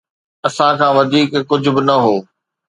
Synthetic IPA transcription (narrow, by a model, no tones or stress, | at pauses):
ɐsãkʰãːʋɐd̪ʱiːkkːʊd͡ʑʱʊ̆bɪnɐɦoː